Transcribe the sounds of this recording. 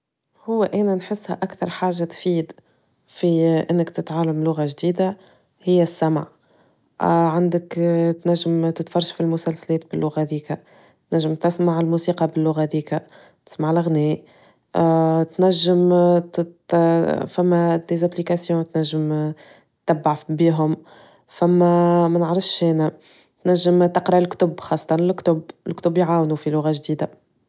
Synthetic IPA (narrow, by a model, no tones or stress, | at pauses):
hʊwːæʔæːnænħɪsːhɛ̰ʔakθɑɾˤħaːʒːat̪fiːd̪ | fiʔɪnːɪkt̪ɪt̪ʕaːlamlʊɣaʒd̪iːd̪a | hɪjːæsːæmʕ | ʕand̪ɪkt̪næʒːɪmt̪ɪt̪fɑrˤːɑʃfilmʊsælsælɛːt̪̚bɪlːʊɣaðiːkæ | t̪næʒːəmt̪ɪsmaʕɪlmuːsiːqɑbɪlːʊɣaðiːkæ | t̪ɪ̥smaʕlɪɣnɛː | t̪næʒːəm | fæmːæd̪ezæplikasjɔ̃t̪næʒːəm | t̪ːæbːaʕfbiːɦʊm | fæmːæmænəʕɾɑfʃhɛːnæ | t̪næʒːəmt̪ɪqɾɑʔɪlkt̪ʊbxɑːsˤːɑ̥t̪ɑnlɪkt̪ʊbɪlkt̪ʊbjʕaːwnufilʊɣaʒd̪iːd̪a